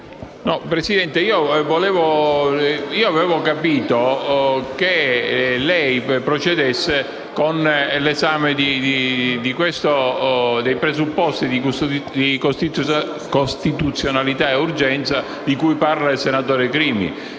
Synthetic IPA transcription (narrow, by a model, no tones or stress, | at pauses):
nɔpɾesid̪ɛnt̪eiːovolɛːvo | iːoavɛvokapiːt̪o | k̟elɛjpɾot͡ʃed̪esːe | konlezaːmed̪id̪id̪ikwest̪od̪ejpɾezupːɔst̪id̪id̪ikost̪i | kost̪it̪ut̪sːjonalit̪aeurd͡ʒɛnt̪sa | d̪ikujparlailsenat̪oːɾekɾiːmḭ